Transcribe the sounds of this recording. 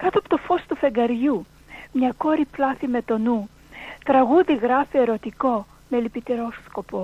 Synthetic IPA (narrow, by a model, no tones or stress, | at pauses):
kɐt̪oɐpot̪ofo̞st̪ufe̞ɡɐɾʝu | mɲɐko̞ɾiplɐθime̞t̪o̞nu | t̪ɾɐɣuðiɣɾɐfie̞ɾo̞t̪iko̞ | melipit̪eɾossko̞po